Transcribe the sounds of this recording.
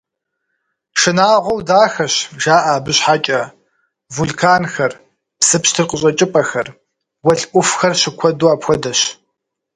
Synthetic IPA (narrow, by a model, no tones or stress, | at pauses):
ʂɨnaːʁʷɔwdaːxɐɕʒaːʔaːbɨɕħaːkʲʼɐ | vuɮkʰaːnxɐr | psɨpɕtʰɨrqəɕʼɐt͡ʃʼɪpʼɐxɐr | wɐɬʼʔʷʊfxɐrɕɪkʷʰɔduaːpxʷɔdɐɕ